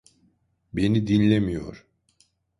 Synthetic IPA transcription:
be̞nid̪inlʲemijo̞̰ɾ̥

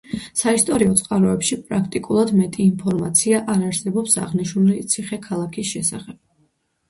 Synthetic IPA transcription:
saist̪ʼɔɾiɔt̪sʼqʼaɾɔɛpʃipʼɾakʰt̪ʼikʼulˠad̪mɛt̪ʼiːnpʰɔɾmat̪sʰiaʔaɾaɾsɛbɔpsa̰ʁniʃnulit̪sʰiχɛkʰalˠakʰisʃɛsa̰χɛb̥̚

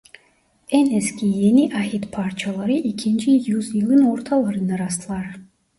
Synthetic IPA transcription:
eneskʲijeniʔaɦit̪pʰɑɾt͡ʃʰialˠɑɾɯʔikʰint͡ʃʰijuzjɯlˠɯno̞ɾt̪ʰɑlˠɑɾɯnɑɾɑst̪ʰɯlˠɑɾ

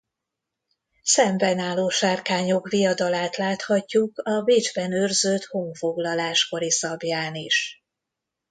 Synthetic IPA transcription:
sɛmbɛnaːloːʃarkaːɲo̞kvijɒd̪ɒlaːt̪laːt̪hɒcːukɒbiːd͡ʒbɛnørzøt̪ho̞ŋfo̞ɡlɒlaːʃko̞ɾisɒbjaːniʃ

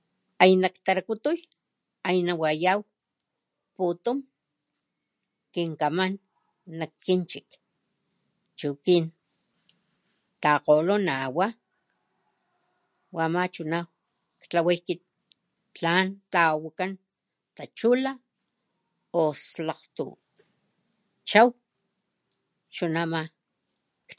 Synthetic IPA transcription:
ajnakt̪aɾakut̪uj | ajnawajaw | put̪um | kiŋkamanː | akːint͡ʃik | t͡ʃukin | t̪aqolonawa | wamat͡ʃunaw | kt͡ɬawajkit̪̚ | t͡ɬant̪awakan | t̪at͡ʃula | oslaqt̪ṵ | t͡ʃaw | t͡ʃunama | k

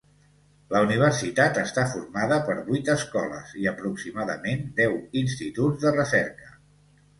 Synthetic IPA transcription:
ləuniβ̞ərsit̪at̪əst̪afurmaðəpəɾβujt̪əskɔlə̰ziəpɾuksimaðə̰mend̪ɛwinst̪it̪ud͡zðərəsɛɾkə

